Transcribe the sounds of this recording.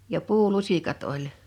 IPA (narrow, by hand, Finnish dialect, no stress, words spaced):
jɑ puːlusikɑt olʲ